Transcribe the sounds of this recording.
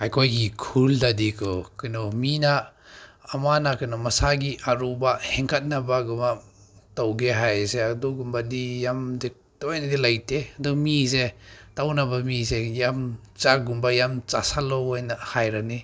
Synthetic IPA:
hajkʰojɡikʰuldadikʰɔkɯnɔminaː | manakɯnɔmasaɡiʔaɾubahɛŋkʰat̚nabaɡumatawɡeɦajseaduɡumbadijamdi | tɔjnadilajteadɔmisetawnabamisejam | t͡ʃaɡumbajamt͡ʃasalɔɔjnahajɾani

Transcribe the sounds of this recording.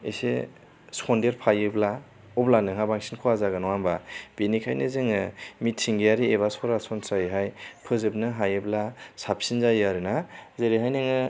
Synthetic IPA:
ese | skʰɔndeɾpʰajɯbla | ɔblanɯŋɦabaŋsinkʰɔazaɡɯnɔwambab̥enikʰa̰jnɯzɯŋɯmitʰːiŋɡejaɾieβasɔɾasɔnsajiɦajpʰɯzɯb̚nɯɦajɯblasapsinzajaɾɯnazeɾiɦajnɯŋɯ

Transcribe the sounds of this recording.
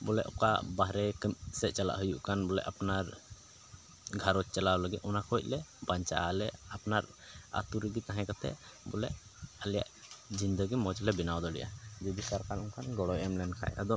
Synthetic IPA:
bɔlɛʔɔ̰ka̰baɦɾɛkəmsɛʔ̚t͡ʃala̰ʔɦujuʔkanbɔlɛ̰ʔapnaɾ | ɡʱaɾɔt͡ʃ̚t͡ʃalawləɡit̪ɔnakʰɔc̚ˀlɛbaɲt͡ʃa̰ʔalɛapnaɾ | a̰t̪uɾiɡit̪aɦɛ̃kat̪ɛ̰ | bɔlɛ̰ʔ | alɛja̰ʔd͡ʒind̪əɡimɔd͡ʒlɛbinawd̪ɔɽḭʔa̰d͡ʒub̪isaɾkalɔŋkʰanɡɔɽɔjɛmlɛnkʰa̰ʔa̰d̪ɔ

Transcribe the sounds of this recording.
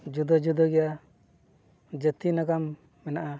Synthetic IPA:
d͡ʒud̪ɔd͡ʒud̪ɔɡɛja | d͡ʒət̪inakamː | ɛnaʔa

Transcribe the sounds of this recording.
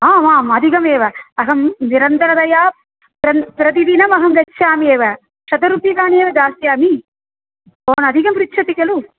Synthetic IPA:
aːʋaːmɐd̪ʱikɐmeːʋɐɐɦɐmniɾɐnt̪ɐɾɐd̪ɐjaː | pɾɐpɾɐt̪̬id̪inɐmɐɦɐŋɡɐtːʃʰaːmeːʋɐ | ʃɐt̪ɐɾupjɐkaːneːʋɐd͡ʒ̪aːsjaːmi | oːnɐd̪ʱikɐmɾit̪ʃʰɐt̪ikɐlu

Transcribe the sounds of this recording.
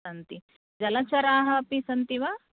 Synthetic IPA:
ɐnt̪i | d͡ʒɐlɐt͡ʃɐɾaːɦɐpisɐnt̪iʋaː

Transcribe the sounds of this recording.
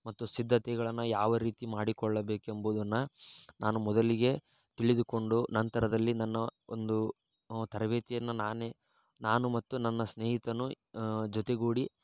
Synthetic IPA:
mɐt̪ːusid̪ʱːɐt̪ɛɡɐɭɐnːɐjaːʋɐɾiːt̪imaːɽikɔɭːɐbeːkembuːd̪ɐnːɐnaːnumɔd̪ɐliɡe̞ | t̪iɭid̪uko̞ɳɖunɐnt̪ɐɾɐd̪ɐlːinɐnːɐond̪u | t̪ɐɾɐʋeːt̪ijɐnːɐnaːne | naːnumɐt̪ːunɐnːɐsneːɦit̪ɐnu | d͡ʒɔt̪eɡuːɽi

